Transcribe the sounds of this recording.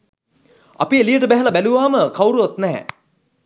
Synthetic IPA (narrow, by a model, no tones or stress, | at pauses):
a̰pielijəʈəbæɦɛlɐbæluʋaːməkawɾuʋat̪nɛɦɛ̰